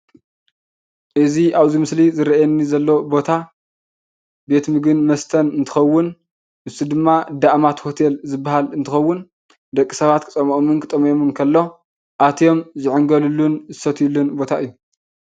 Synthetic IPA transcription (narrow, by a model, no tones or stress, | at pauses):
ʔɨziʔaβzimɨslizɨɾɐʔajɛnːizɐlːo̞bo̞t̪ʰa | be̞t̪mɨɡɨnmɐst̪ʰɐnɨnt̪ʰɨ̥xɐwːʊn | ʔɨsid̪ɨmːad̪aʔmat̪ho̞t̪ʰe̞lzɨbːaɦalɨnt̪ʰɨxɐwːʊn | d̪ɐkʼːisɐβat̪kʰɨt͡sʼɐmɐʔʼmɨnkʰɨt̪ʼɐmjomɨnkʰɐlːo̞ | ʔat̪ʰjo̞mzɪʕɨŋɡɐlulːunzɨsɐt̪ʰjulːunbo̞t̪ʰaʔɨjːu